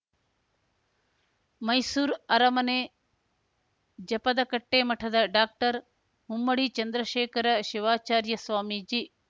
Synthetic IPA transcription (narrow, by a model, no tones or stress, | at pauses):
mɐjsuːɾɐɾɐmɐneː | d͡ʒɐpɐd̪ɐkɐʈːeːmɐʈʰɐd̪ɐɖaːk̚ʈɐɾ | ɦumːɐɽit͡ʃɐnd̪ɾɐʃeːkɐɾɐʃɪʋaːt͡ʃaːɾjɐsʋaːmid͡ʒi